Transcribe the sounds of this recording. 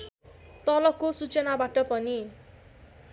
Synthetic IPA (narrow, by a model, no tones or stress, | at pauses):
t̪ʌlʌkːosut͡sʌnabaʈʌpʌni